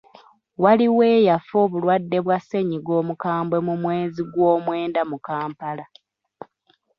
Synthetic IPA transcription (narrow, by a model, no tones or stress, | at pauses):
waliwe̞ːjafo̞ːβulwadːe̞βwase̞ɲiɡo̞ːmukaːmbwe̞mumwe̞ːziɡwoːmwe̞ːndamukaːmpala